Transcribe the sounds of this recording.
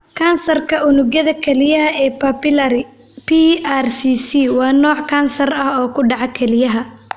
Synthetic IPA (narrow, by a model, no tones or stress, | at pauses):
kʰɐːnsɐrkʰɐʊnʊɣjɐðɐkʰɛlɪjɐɦɐɛːpʰɐpɪlɐɾɪ | pʰiaːrsiːsiːwɑːnɔːʕkʰaːnsɐrɐhɔːkʰʊɖɑʕɑkʰɛlɪjɐɦɐ